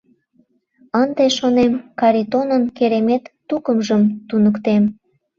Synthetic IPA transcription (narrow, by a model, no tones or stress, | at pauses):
ənd̪eʃonemkɑɾit̪onənkeɾemet̪ːukəmʒəmt̪unəkt̪em